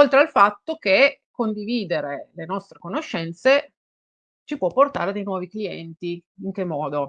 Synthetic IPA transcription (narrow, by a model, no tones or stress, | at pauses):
olt̪ɾealfat̪ːokekond̪iviːd̪eɾelenɔst̪ɾekonoʃːɛnt̪se | t͡ʃipwɔpːort̪aːɾed̪ejnwɔːvikliɛ̰nt̪iiŋk̟emːɔːd̪o